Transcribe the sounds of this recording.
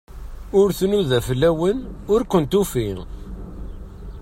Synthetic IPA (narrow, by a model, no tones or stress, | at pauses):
ʊɾθnuðæfəlːæwənʊɾkʷənt̪ufi